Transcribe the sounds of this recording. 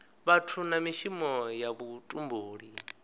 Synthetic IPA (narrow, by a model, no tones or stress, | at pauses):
βatʰunamiʃimɔjaβutʼumboːɺi